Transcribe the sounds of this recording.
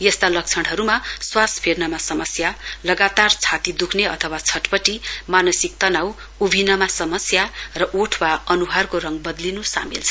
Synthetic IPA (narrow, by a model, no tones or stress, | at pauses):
jʌst̪alʌk̚t͡sʰʌɽ̃ɦʌɾumaswaspʰernʌmasʌmʌsjalʌɡat̪art͡sʰat̪id̪ukʰneʌt̪ʰʌwat͡sʰʌʈpʌʈimanʌsik̚t̪ʌnaw | ubʱinʌmasʌmʌsjarʌʔoʈʰwaʌnuɦarkorʌŋbʌd̪linusa̰milt͡sʰʌ